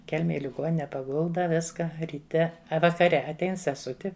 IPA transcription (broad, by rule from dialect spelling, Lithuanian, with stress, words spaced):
ˈkʲɛlʲmʲɛj ɪ lʲɪˈɡoːnʲɪnʲɛ pɐˈɡʊlˠdɐ ˈʋʲɪskɐ rʲiːˈtʲɛ ɐ ʋɐkɐˈrʲɛ ɐtʲˈɛɪn sʲɛˈsʊtʲɪ